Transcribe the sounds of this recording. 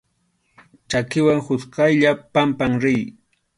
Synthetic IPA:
t͡ʃakɪwaŋhʊskajʎapampaŋɾɪj

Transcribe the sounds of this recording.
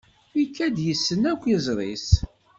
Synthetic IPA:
ikːæd̪jəsːənækʷːizˤɾˤḭs

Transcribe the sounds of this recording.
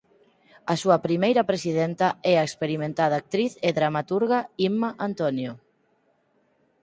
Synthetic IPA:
ɐsuɐpɾimejɾɐpɾesið̞ɛnt̪ɐɛaekspeɾimẽnt̪aðaːk̚t̪ɾiθeðɾamat̪uɾɣaimaʔant̪onjo

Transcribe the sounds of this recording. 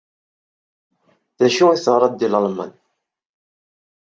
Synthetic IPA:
ðæʃuiθəɾˤɑd̪ːilɑlmə̰n

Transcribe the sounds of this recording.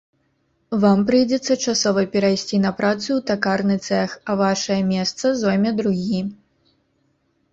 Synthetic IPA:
vampɾɨjd͡zʲɛt̪sːɐt͡ʂasɔvɐpʲɛɾajsʲt͡sʲin̪ɐpɾʔat̪suwt̪akarnɨt̪sɛxɐvaʂɐjɐmʲɛst̪sɐzɔjmʲɐd̪ɾuɣʲi

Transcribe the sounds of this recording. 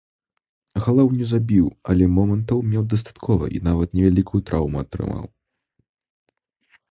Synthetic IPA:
ɣalˠawnʲɛzabʲiwɐlʲɛmɔmɐnt̪ɐwmʲɛwd̪ɐst̪ḁt̪kʰɔvɐ̰ʔḭnavɐt̪nʲɛvʲalʲikʰujut̪ɾʔawmuɐt̪ɾɨ̰ma̰w

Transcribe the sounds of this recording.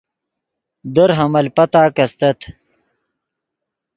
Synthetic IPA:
d̪əɾɦɐmɐlpɐt̪aːkɐst̪ɐt̪ʰ

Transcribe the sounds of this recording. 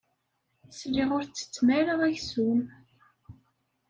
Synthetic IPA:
sliʁʊɾt͡sːə̥t͡sːmæɾəʁæçsum

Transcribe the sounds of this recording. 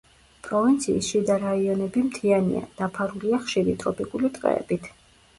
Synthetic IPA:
pʼɾɔvint̪sʰiːsʃid̪aɾaiɔnɛbimt̪ʰianḭa̰d̪̥apʰaɾuliaχʃiɾit̪ʼɾɔpʼikʼulit̪ʼqʼɛ̰ɛb̥it̪ʰ

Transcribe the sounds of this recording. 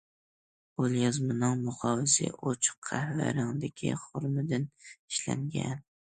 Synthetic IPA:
olˠjɑzmɪnɑŋmʊχɒvɪsɪ̰ʔot͡ʃʰʊ̥qʰːahva̰ɾɑŋd̪ɪkʲʰɪ̰χʊɾmɪd̪ɪnɪʃla̰ŋɡʲa̰n

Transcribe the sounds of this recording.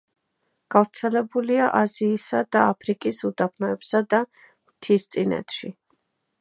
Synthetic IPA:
ɡ̥avɾt̪sʰɛlɛbuliaʔaziːsad̪aapʰɾikʼisud̪apʰnɔɛbsad̪a | mt̪ʰist̪sʼinɛ̰t̪ʰʼʃi

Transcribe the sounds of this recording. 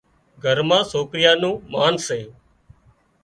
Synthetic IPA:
ɡʱəɾmãːsoːkɾɪjaːnũːmaːnseː

